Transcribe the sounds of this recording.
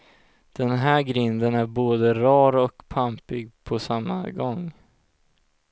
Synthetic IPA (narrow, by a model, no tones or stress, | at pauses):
d̪̥ɛnɦæːɾɡɾɪnd̪ənæɾboːd̪əɾɑːɾɔkpʰampɪɡ̚pʰɔsamːa̰ɡɔŋː